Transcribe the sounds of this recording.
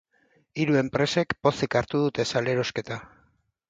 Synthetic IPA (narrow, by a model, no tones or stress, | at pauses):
iɾue̞mpɾe̞se̞kpo̞sikaɾt̪uð̞ut̪e̞sale̞ɾo̞ske̞t̪a